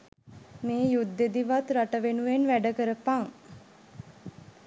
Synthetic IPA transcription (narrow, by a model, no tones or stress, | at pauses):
meːjud̪ːed̪iʋat̪ɾaʈəʋenuʋenʋæɖəkəɾəpaŋ